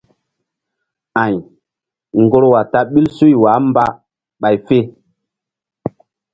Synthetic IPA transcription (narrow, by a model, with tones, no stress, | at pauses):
ã˨j | ŋɡo˦ɾwa˨ta˦ɓi˦lsu˦jwaː˨˦mba˦ | ɓa˨jfe˦